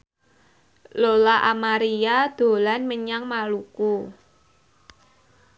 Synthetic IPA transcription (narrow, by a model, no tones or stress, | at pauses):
lolaʔamaɾiad̪̥o̤lanməɲaŋmaluku